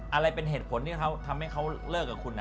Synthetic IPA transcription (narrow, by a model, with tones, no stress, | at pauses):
ʔa˧ɾa˧jpe˧nɦeː˨˩t̪̚pʰo˩˦nt̪ʰiː˥˩kʰa˦˥wt̪ʰa˧mha˥˩jkʰa˦˥wlɤː˥˩k̚ːaː˨˩kʰu˧nːa˦